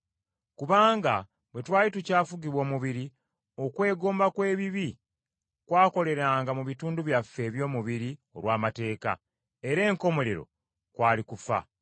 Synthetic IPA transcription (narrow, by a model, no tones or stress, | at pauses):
kuβaːŋɡa | bwe̞twaːjitucaːfuɡiβwo̞ːmuβiɾi | o̞kwe̞ːɡo̞ːmbakwe̞ːβiβi | kwaːko̞le̞ɾaːŋɡamuβituːnduβjafːe̞ːβjo̞ːmuβiɾio̞̰ɾwaːmate̞ːka̰ | e̞ɾe̞ːŋko̞mo̞le̞ɾo̞̰ | kwaːlikufa̰